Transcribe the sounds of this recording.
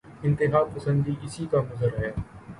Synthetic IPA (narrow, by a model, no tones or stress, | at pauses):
ɪ̃nt̪ɪɦaːpəsə̃nd̪iʔɪsikamɐzəɾɦɛː